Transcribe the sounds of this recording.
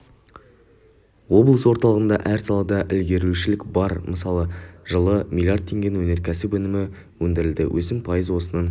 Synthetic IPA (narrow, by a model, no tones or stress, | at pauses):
wo̞blˠəswo̞ɾt̪ɑlˠəʁənd̪ɑʔæɾsɑlˠɑd̪ɑʔɪlɡʲe̞ɾuʃɪlɪkbɑɾməsɑlˠəʒəlˠəmʲilʲjart̪̚ʰːe̞ŋɡʲe̞nwɵne̞ɾkʲʰæsɪpɵnɪmɪ | wɵnd̪ɪɾɪld̪ɪ̰wʔɵsɪmpʰɑjəzwo̞sənɑn